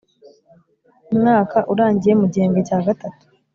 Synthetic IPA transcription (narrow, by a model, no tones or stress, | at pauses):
umŋaːkaʔuɾaːɲɟije̞muɟeːŋɡocaːɡatatu̥